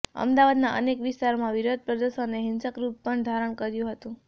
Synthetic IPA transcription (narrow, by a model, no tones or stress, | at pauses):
ə̰md̪aʋad̪naʔə̰nekʋɪst̪aɾmãʋiɾod̪̚pɾəd̪əʃoneɦɪnsəkɾupːəɳd̪ʱaɾəɽ̃kəɾjũɦət̪ũ